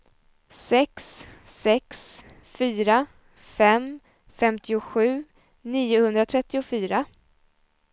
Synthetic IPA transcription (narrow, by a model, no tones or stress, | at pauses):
sɛkssɛks | fyːɾa | fɛm | fɛmt̪ʰɪʊɧʉ̟ː | niːʊhɵnd̪ɾat̪ʰɾɛt̪ːɪʊfyːɾa